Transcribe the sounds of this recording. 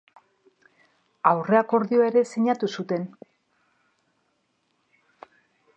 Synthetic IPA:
awre̞ako̞ɾðioe̞ɾe̞seɲat̪usut̪e̞n

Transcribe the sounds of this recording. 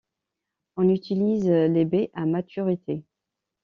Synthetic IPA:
ɔ̃nyt̪ʰilizlebeʔamat̪ʰyʁit̪ʰe

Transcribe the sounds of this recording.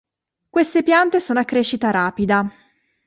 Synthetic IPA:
kwest̪epjant̪esoːnoakːɾeːʃːit̪aɾaːpid̪a

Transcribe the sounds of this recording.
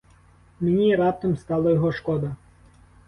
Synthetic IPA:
menʲiɾɑp̚t̪ɔmst̪ɑlˠɐjɔɦɔʃkɔd̪ɐ

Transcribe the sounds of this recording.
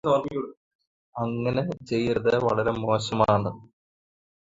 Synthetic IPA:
oːi | ɐŋːɐnet͡ɕe̞jːɾɐðɨʋɐɭɐɾemo̞ːɕɐmaːɳɨ

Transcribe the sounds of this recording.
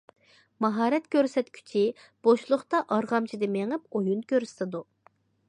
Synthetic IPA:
mɑɦɑːɾɛt̪kʲøɾsɛt̪kʲʰy̥t͡ʃʰi | b̥oʃlˠʊχt̪ɑʔɑɾʁɑmt͡ʃʰid̪ɪmeŋɨp̚ojunkʲʰøɾsɪ̥t̪ɪd̪u

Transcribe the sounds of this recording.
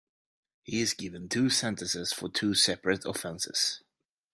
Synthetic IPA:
hiɪzɡɪvɨ̃ntʰʉːsɛ̃ntɨ̃sɪz̥fə˞tʰʉːsɛpɹɨɾə̰fɛ̃nsɪ̰z̥

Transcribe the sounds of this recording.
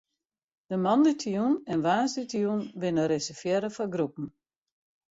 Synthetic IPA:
d̥əmɑnditʰijunɛnʋaːsditʰijunʋɪnəɾɪsəfjɛɾəfɔɡɾupn̩

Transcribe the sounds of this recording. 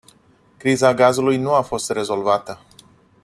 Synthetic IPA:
kɾizaɡazulujnuafo̞st̪re̞zo̞lvat̪ə

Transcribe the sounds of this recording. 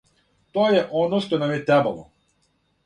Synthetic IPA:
t̪ojɛʔɔnɔʃt̪ɔnamjɛt̪ɛba̰lˠɔ̰

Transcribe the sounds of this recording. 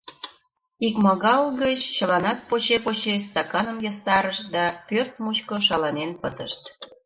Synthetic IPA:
ikmɑɣɑlɣət͡ɕt͡ɕəlɑnɑt̪̚pot͡ɕepot͡ɕes̬t̪ɑkɑnəmjɑst̪ɑɾəʃd̪ɑpørt̪̚mut͡ɕkoʃ̬ɑlɑnenpət̪əʃt̪

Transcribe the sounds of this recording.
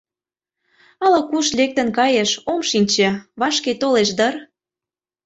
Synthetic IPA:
ɑlɑkuʃlek̚t̪ə̆nkɑjeʃomʃinʲt͡ɕĕβɑʃket̪oleʃd̪ɤr

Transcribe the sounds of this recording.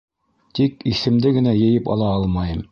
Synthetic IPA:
t̪ikiθɘ̆md̪ɘɡɘ̆næjɘ̆jɘpɑ̰lˠɑɑlˠmɑjɤm

